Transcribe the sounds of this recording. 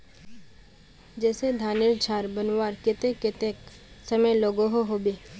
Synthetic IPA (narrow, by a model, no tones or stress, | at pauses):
d͡ʒɛːsed̪ʱaːnɪɾd͡ʒʱaːɾbənwaːɾkɪt̪ekɪt̪ek | səməjloːɡoɦoɦoːbeː